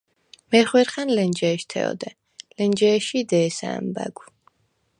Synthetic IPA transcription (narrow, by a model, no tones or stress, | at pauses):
mɛχwɛɾχanlɛnd͡ʒɛːʃt̪ʰɛ̰ɔ̰d̪ɛ | lɛnd͡ʒɛːʃid̪ɛːsa̰mba̰ɡu